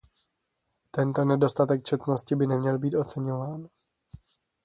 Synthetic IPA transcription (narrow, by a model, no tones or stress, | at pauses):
t̪ɛnt̪o̞nɛdo̞st̪at̪ɛk̚t͡ʃɛt̪no̞scɪbɪnɛmɲɛlbiːt̪o̞t͡sɛɲo̞vaːn